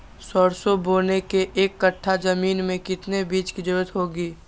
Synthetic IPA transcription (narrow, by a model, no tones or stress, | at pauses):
sɔːɾsoboːnekeʔeːkːəʈʰːad͡ʒɐmiːnmẽkɪt̪nebiːt͡ʃkid͡ʒʊɾət̪ɦoːɡiː